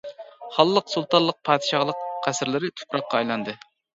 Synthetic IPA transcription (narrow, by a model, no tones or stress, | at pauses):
χɑlˠːəqsulˠt̪ɑnlˠəq̚pʰɑːd̪ɨʃɑʁlˠəqqʰæsɾlɪɾɪt̪ʰu̥pɾɑqːɑɑjlˠɑnd̪ɨ